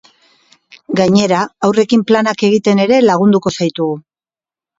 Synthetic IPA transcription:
ɡaɲe̞ɾaawre̞kimplanake̞ɣit̪e̞ne̞ɾe̞laɣ̞und̪uko̞sajt̪uɣu

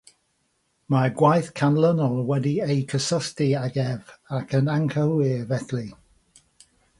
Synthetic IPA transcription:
maɡwajθkʰanlənɔlˠwɛdiejkʰəsɔstiaɡɛvakʰənaŋkʰəlɪvɛθli

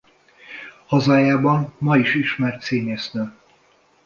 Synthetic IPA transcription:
hɒzaːjaːbɒmmɒiʃiʃmɛrt̪seːɲɛsnøː

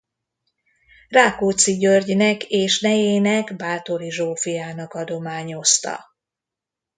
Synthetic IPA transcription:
raːkoːt̪siɟørɟnɛkeːʃnɛjeːnɛɡbaːt̪o̞ɾiʒoːfijaːnɒkɒd̪o̞maːɲo̞st̪ɒ̰

